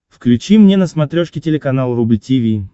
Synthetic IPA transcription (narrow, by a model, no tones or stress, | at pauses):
fklʲʉt͡ɕimnʲenəsmɐt̪ɾʲoʂkʲɪtʲɪlʲɪkɐnalˠɾubʲɨtʲivʲi